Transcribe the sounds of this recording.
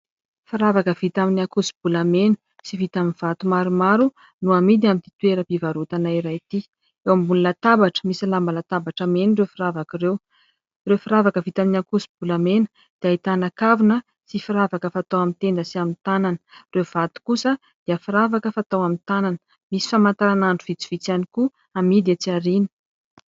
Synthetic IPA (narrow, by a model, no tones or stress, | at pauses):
fiɾavakəvit̪aminiakusi̥bulamenə̥ | sivit̪aminv̥at̪umaɾumaɾu | nuamid̪iamint̪i̥t̪ueɾəpivaɾut̪anaiɾajt̪i | ewambunlat̪abaʈ͡ʂə̥misilambalat̪abaʈ͡ʂəmenirewfiɾavakirew | rewfiɾavakəvit̪aminakusi̥b̥ulamenə̥ | d̪̥eait̪anakavunə | sifiɾavakəfat̪awamint̪end̪əsiamint̪ananə̥rewv̥at̪u̥kusə | d̪̥iəfiɾavakəfat̪awamint̪ananə̥ | misi̥famant̪aɾanaɳɖ͡ʐuv̥it͡si̥v̥it͡saniku | amid̪at͡siaɾini̥